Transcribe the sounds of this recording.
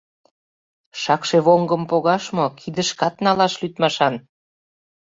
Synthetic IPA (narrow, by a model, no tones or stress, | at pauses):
ʃɑkʃeβoŋɡə̆mpoɣɑʃmokʰid̪əʃkɑt̪nɑlɑʃlyt̪mɑʃɑn